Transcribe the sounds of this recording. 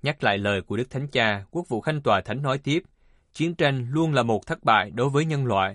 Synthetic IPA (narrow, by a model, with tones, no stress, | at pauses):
ɲa˦˥k̚la̰ː˧˨jləː˨˩jku˧˩əɗɨ˦˥k̚t̪ʰa˨˦jŋ̟t͡ɕaː˧ku˦˥ək̚vṵ˧˨xa˧jŋt̪waː˨˩t̪ʰa˨˦jŋ̟nɔ˨˦jt̪i˦˥əp̚ | t͡ɕi˨˦ənt͡ɕa˧jŋlu˧ənlaː˨˩mo˨˩t̚t̪ʰə˦˥ɓa̰ː˧˨jɗo˨˦jvəː˨˦jɲə˧nlwa̰ː˧˨jʔ